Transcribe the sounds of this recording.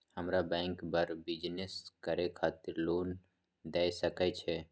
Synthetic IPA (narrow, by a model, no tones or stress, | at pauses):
həmɾabɛ̃ːŋkbəɾbɪd͡ʒneskəɾekʰaːt̪ɪɾloːn | d̪ɛːjsəkɛt͡ʃʰɛː